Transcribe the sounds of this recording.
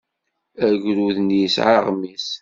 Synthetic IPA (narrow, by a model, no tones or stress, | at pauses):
æʝɾuðnjisʕa̰ʁmis